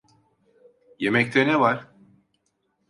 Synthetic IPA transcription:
je̞mɛc̚t̪ʰɛnɛvaɾ̥

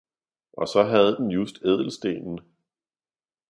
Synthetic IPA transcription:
ʔɒ̽sɒ̽ɦæð̞ˠd̥enjusd̥eð̞̰ˠl̩sd̥e̝̰ːnn̩

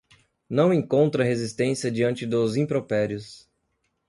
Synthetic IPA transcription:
nɐ̃w̃ẽŋkõnt̪ɾɐɦezist̪ẽsiɐd͡ʒiɐ̃nt͡ʃɪd̪ʊzĩpɾopɛɾjʊs

